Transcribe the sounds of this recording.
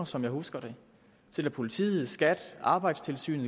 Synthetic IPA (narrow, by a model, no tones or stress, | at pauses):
ɐsɒ̽mjɑ̈ɪhusɡ̥ɐɾe̝ | t͡sʰe̝læpʰo̝lit͡sʰḭːið̩ˠsɡ̥æd̥ʔɑ̈ːb̥ɑ̈ɪd̥st͡sʰe̝lsy̰ːnð̩ˠ